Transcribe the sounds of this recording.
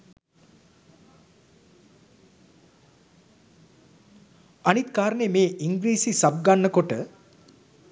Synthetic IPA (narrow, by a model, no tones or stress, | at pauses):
anit̪kaːɾənemeːʔiŋɡɾiːsisab̚ɡanːəkoʈə